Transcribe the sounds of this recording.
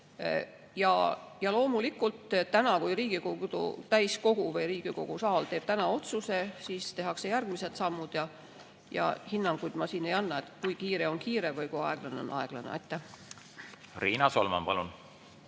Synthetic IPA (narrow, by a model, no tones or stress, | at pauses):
jɑ̰jɑlo̞ːmulikult̪ːt̪ænɑkujriːɡikoɡd̪̥ṵt̪æjsko̞ɡ̥uvɤjɾiːɡ̥iko̞̰ɡ̥usɑːlt̪eːb̥t̪ænɑo̞t̪suse̞siːst̪e̞ɦɑkse̞jærɡ̥mise̞t̪sɑmːud̪̥jɑ | jɑ̰hinːɑŋɡ̥ujd̪̥mɑsiːne̞jɑnːɑet̪kujkiːɾe̞o̞nkiːɾe̞vɤjkujɑe̞ɡ̥lɑneo̞̰nʔɑe̞̰ɡ̥lɑnḛɑ̰jt̪ːæh | riːnɑso̰lmɑ̰mpɑlun